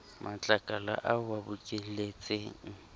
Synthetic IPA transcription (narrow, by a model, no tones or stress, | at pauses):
mʔat͡ɬʼakʼala̰ʔaʊwabʊkʼɪlet͡sʼeːŋ̩